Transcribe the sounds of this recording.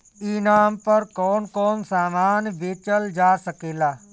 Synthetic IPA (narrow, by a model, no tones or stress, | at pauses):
iːnaːmpəɾkɔːnkɔːnsaːmaːnʋeːt͡ʃəld͡ʒaːsəkeːlaː